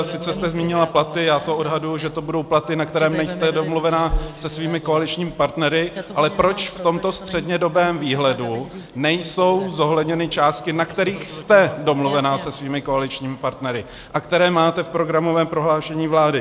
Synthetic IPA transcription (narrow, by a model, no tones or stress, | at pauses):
sɪt̪t͡sɛst̪ɛzmiːɲɪlaplat̪ɪjaːt̪oʔodɦadujuʒɛt̪o̞budo̞wplat̪ɪnakt̪ɛɾɛːmnɛjst̪ɛdomluvɛnaːsɛsviːmɪko̞alɪt͡ʃɲiːmɪpaɾt̪nɛɾɪʔalɛpɾo̞t͡ʃft̪o̞mt̪o̞st̪r̝̥ɛdɲɛdo̞bɛːmviːɦlɛdu | nɛjso̞wzo̞ɦlɛdɲɛnɪt͡ʃaːst̪̚kɪnakt̪ɛɾiːxst̪ɛdo̞mluvɛnaːsɛsviːmɪko̞alɪt͡ʃɲiːmɪpaɾt̪nɛɾɪ | ʔakt̪ɛɾɛːmaːt̪ɛfpɾo̞ɡɾamo̞vɛːmpɾo̞ɦlaːʃɛɲiːvlaːdɪ